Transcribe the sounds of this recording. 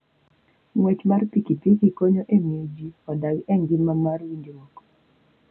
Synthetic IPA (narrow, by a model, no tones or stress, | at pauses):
ŋwɛt͡ʃmarpikipikikoɲoʔemjed͡ʒiɔdaɡɛŋɡimamarwind͡ʒiwɔkɔ̥